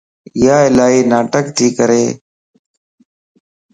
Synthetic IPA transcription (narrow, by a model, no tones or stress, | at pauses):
jaːɪlaːɦiːnaːʈək̚t̪ʰiːkəɾeː